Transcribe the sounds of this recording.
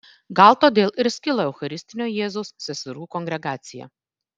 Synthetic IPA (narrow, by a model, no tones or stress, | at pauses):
ɡɑˑlˠt̪oːd̪ʲeːlˠɪɾsʲkʲɪlˠɐɛʊxɐɾʲɪsʲt̪ʲɪnʲoːjeːzʊsːʲɛsʲɐɾuːkɔŋɡɾʲɛɡɑːt̪sʲɪjɛ̰